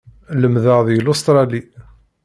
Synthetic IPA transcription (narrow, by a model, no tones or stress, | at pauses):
ləmðəʁðjəlʊst̪ɾˤɑli